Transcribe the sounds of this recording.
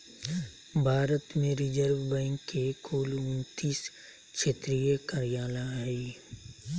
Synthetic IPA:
bʱaːɾət̪mẽɾɪd͡ʒəɾwbɛ̃ŋkːekʰuːlʊnt̪iːs | kʃeːt̪ɾijəkəɾijaːlaiː

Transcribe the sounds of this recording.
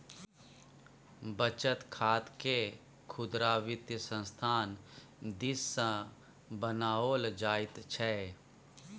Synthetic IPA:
bət͡ʃət̪kʰaːt̪ke | kʰʊd̪ɾaːʋɪt̪jəsə̃nst̪ʰaːn | d̪ɪsːã | bənaːoːld͡ʒaːɪt̪t͡ʃʰɛ

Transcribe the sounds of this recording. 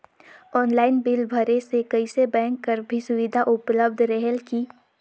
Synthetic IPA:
ɔːnlaːɪnbɪlbʱəɾesekɐɪsebɛ̃ːŋkːəɾbʱisʊʋɪd̪ʱaʔʊpləb̚d̪ʱɾəɦɛlki

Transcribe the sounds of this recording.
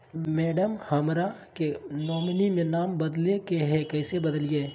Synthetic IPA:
mɛːɖəmhəmɾakenɔːmnimẽnaːmbɐd̪lekeɦɛkɛːsebəd̪lijeː

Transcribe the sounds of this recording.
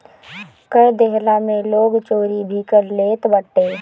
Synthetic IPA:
kəjd̪eɦlamẽloːɡt͡ʃoːɾibʱikəɾleːt̪bəʈːeː

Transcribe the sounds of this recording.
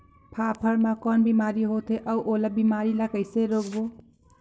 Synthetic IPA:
pʰapʰəɾmãkɔnbimaɾiɦot̪ɦeʔəuʔolabimaɾilakəɪseɾoːɡbo

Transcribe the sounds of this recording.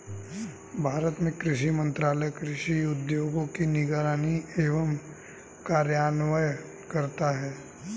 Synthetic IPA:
bʱaːɾət̪mẽkɾɪʃimə̃nt̪ɾaːləjkɾɪʃiʊd̪joːɡõkinɪɡaːɾaːnieːʋəm | kaːɾjaːnʋəj | kɐɾt̪aɦɛː

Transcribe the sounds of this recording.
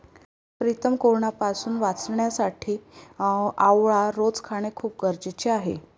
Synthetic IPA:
pɾit̪əmkoɾɳapasuːnʋat͡sɳjasaʈʰiː | aʋɭaɾod͡zkʰaɽ̃ekʰuːp̚ɡəɾd͡ʑt͡ɕeaɦḛ

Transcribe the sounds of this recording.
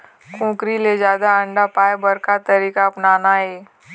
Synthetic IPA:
kũːkɾiled͡ʒjaːd̪aɐ̃ɳɖapaːebɐɾkat̪ɐɾiːkaɐpnaːnaːeː

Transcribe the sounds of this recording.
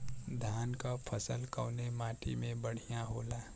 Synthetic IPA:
d̪ʱaːnkapʰəsəlkəʊnemaːʈʰḭmẽbəɽ̤ijãɦoːlaː

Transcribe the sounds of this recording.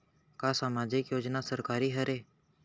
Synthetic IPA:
kaːsaːmaːd͡ʒɪkjoːd͡ʒnasəɾkaːɾiːɦəɾeː

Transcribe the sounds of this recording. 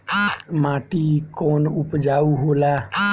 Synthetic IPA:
mãːʈiːkoːnʊpd͡ʒaːuːɦoːlaː

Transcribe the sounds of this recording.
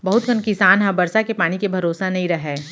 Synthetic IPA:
bɐɦʊt̪̚kənkɪsaːnɦãbɐɾsakepaːñikebʱɐɾoːsanɐɦĩɾɐɦɛː

